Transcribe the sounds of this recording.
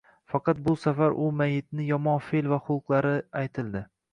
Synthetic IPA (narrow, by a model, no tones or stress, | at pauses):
fɑqʰɑt̪̚bʊsafaɾʔʊmajːɪt̪̚nɪjɒmɒnfelvaχʊqlˠaɾɪajt̪ʰɪld̪ɪ